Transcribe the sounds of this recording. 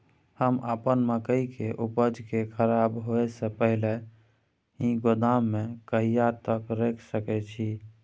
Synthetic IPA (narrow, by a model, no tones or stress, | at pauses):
həmapənməkəikeʔupəd͡ʒʱkekʰəɾabɦoɛsə̃pəɦile | hĩɡod̪amːekəɦijat̪əkɾekʰsəkɛt͡ʃʰi